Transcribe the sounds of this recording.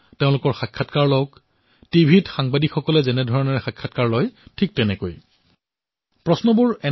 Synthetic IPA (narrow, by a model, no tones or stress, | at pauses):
teʊ̃lʊkɔɹxakʰːatkaɹlɔwk | tibʱitxaŋbadikxɔkɔlɛzɛnɛdʱɔɹɔnɔɹɛxakʰːatkaɹlɔjtʰik̚tɛnɛkoj | pɹɔsnɔbuɹɛ